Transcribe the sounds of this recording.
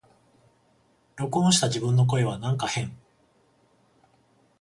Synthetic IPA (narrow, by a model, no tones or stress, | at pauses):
ɾʲo̞kõɰ̃ɕi̥t̪ad͡ʑibɯ̟̃nːok̬o̞e̞β̞anãŋkahẽ̞ŋ